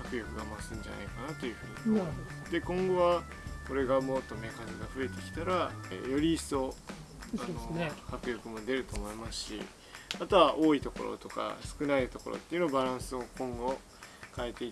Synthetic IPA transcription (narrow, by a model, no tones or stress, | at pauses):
hakɯ̟jokɯ̟ɡamasɨ̃ɲ̟d͡ʑa̰na̰ikanat̪o̞jɯ̟ɸɯ̟ːɲ̟imasd̪e̞kõ̞ŋɡo̞βa | ko̞ɾe̞ɡamo̞t̪ːo̞me̞kaniɡaɸɯ̟e̞t̪e̞kʲi̥t̪aɾajo̞ɾʲiːso̞ | aohakɯ̟jokɯ̟mo̞d̪e̞ɾɯ̟t̪o̞ːmo̞imasɨ̥ɕḭ | mat̪o̞βaʔo̞ːit̪o̞ko̞̰ɾo̰t̪o̞ka̰sɨ̥kɯ̟nait̪o̞koɾo̰t̪ːeiɯ̟no̞abaɾãɰ̃sɨo̞kõ̞ŋɡo̞ | kaet̪e̞i